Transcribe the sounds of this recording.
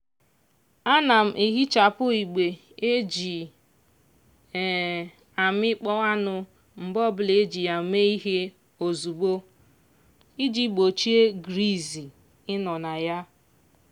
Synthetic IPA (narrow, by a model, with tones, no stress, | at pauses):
a˦na˨m̩˨ʔi˨ɦi˦t͡ʃa˨pʊ˦i˨ɡ͡be˨ | e˦d͡ʒi˨ | a˨m˦ɪ˦k͡pɔ˦a˦nʊ˨ | m̩˨bɔ˦bʊ˨le˦d͡ʒi˨a˨me˦i˦ɦe˦ | o˨zu˨ɡ͡bo˦ | i˦d͡ʒi˦ɡ͡bo˨t͡ʃi˦e˦ɡɾi˦˨zi˨ | ɪ˦nɔ˨na˨ja˦